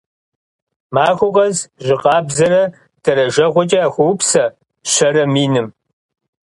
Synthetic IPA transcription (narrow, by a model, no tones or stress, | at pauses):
maːxʷʊʁɐzʑɪqʼɑːbzɐɾɐ | d̥ʰɐɾɐʒɐʁʷɔt͡ʃʼɐaxʷʊwpsɐ | ɕɐɾɐmiːnɨm